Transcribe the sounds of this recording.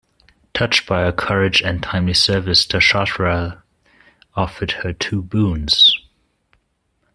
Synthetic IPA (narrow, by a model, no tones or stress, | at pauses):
tʰʌt͡ʃb̥aɪəkʰʌɹɪd͡ʒɨ̃ntʰãɪ̃mlisɜ˞vɨstʰɨʃɑtɹə | ɔfə˞d̚hə˞tʰuːbũnz̥